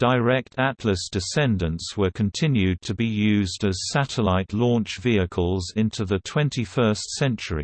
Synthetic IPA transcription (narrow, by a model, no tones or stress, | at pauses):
d̥əɪɹɛk̚tʰætʰləsd̥ɨsɛ̃ndə̃ntswə˞kʰə̃ntʰɪ̃njʉd̚tʰəbijʉːzdəz̥sæɾəlaɪʔlɔ̃ˑnt͡ʃviɨkʰəlˠzɪ̃ntʰuðətʰw̥ɛ̃ntʰifɜˑ˞stsɛ̃nt͡ʃəɹḭ